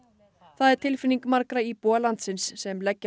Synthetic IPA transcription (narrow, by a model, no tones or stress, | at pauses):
θaðɛɾ̥t̪ʰɪlfɪnːiŋkmaɾkɾaipɔːlant̪sɪnsːɛmlɛcːa